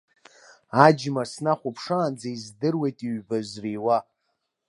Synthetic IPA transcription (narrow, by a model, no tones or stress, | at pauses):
ad͡ʒmasnaχʷʊpʰʂaːnd͡zaizdɨrwejtʼiɥbazriwa